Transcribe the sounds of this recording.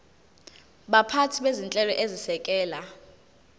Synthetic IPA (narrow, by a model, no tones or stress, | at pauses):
ɓapʰatʰiɓezint͡ɬʼɛlɔʔezisɛkʼɛːla